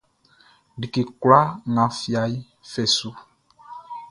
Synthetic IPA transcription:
ɖi˨ki˨kwla˦ŋã˨fi˦˨a˨i˦ | fɛ˨su˦

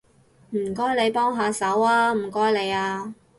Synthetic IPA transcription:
m̩˨˩kɔː˥jle˨˧jpɔː˥ŋɦaː˨˧sɐ˨˥waː˧m̩˨˩kɔː˥jle˨˧jaː˧

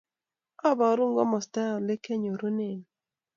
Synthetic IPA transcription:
ɔ˦ba˨˦ɾu˦ŋɡɔ˦mɔ˨sta˦ɔ˨le˦ke˦ɲo˨ɾu˦ne˨n

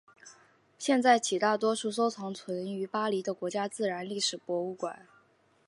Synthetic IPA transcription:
ɕjɛ˥˧nt͡sa˥˩ɪt͡ɕʰi˨˩t̪a˥˩t̪wɔ˥ʂu˥˩s̬o˥ʊt͡sʰɑ˧˥ŋt͡sʰwə˧˥ny˧˥pa˥li˧˥d̪ə˧kwɔ˧˥t͡ɕja˥t͡sɹ̩˥˩ɻa˧˥nli˥˩ʂɻ̩˨˩pwɔ˧˥u˥˩kwa̰˨˩˦n

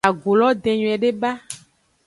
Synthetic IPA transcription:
a˨ɡo˨lɔ˦d̪e˨ɲũ˨ɛ˨ɖe˦ba˦

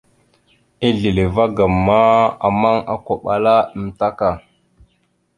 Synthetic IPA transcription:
i˦ɮi˨le˨va˦ɡa˨mːa˦a̰˨ma˦ŋa˨ka˨ɓa˨la˦ə˨m˨ta˦ka˨

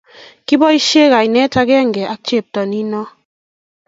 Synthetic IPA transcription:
ki˦bɔ˦i˦ʃe˦ka˨i˨nɛ˦ta˦kɛ˦a˦˨ŋ˨ɡɛ˨ʔa˦k̚t͡ʃe˦˨p̚tɔ˨ni˦nɔ˦

